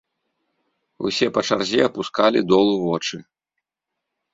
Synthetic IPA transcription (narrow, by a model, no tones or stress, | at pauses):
ṵsʲɛpɐt͡ʂarzʲiɐpuskalʲḭd̪ɔlˠuvɔt͡ʂɨ